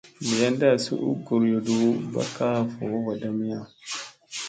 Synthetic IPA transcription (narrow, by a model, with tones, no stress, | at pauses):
bi˨ja˦nda˦˨sṵ˦ʔṵ˦ɡu˨ɾjɔ˨du˨ba̰˦kːa˦fɔ˨ʔɔ˦wa˨da˦mi˦ja˦˨